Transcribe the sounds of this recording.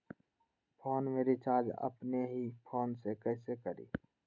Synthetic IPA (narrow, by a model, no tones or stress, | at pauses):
pʰoːnmeːɾit͡ʃaːd͡ʒə̰pneɦipʰoːnsekɛːsekəɾḭː